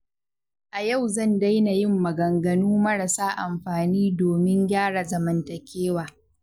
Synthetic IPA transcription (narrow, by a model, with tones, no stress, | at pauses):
ʔa˨ja˦˨wzɐ˦˨nda˦jna˨jɪ˦˨mːɐ˨ɡɐ˨ŋɡɐ˨nuː˦mɐ˦ɽa˨saː˦ʔa̰˨mɸaː˨niː˦doː˨mɪ˦ɲɡʲaː˦ɽa˨zɐ˨mɐ˨ntɐ˨kʲeː˦waː˨